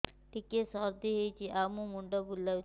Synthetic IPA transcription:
ʈikesɔɾd̪ʱiɦojt͡ʃʰiʔamũmuɳɖɔbulːaw

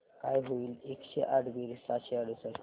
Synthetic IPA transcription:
kajɦoiːlekɕḛʔaɽbiɾisaɕeaɽusəɾ

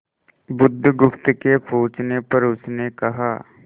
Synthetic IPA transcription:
bʊd̪ʱːɡʊpt̪kepʰoːt͡ʃnepɐɾʊsnekɐɦaː

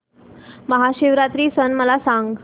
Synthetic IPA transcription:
məɦaɕiʋɾat̪ɾiːsənməlasaŋɡ

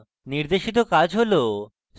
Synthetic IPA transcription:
niɾd̪eʃit̪̬okad͡ʑɦolo | s

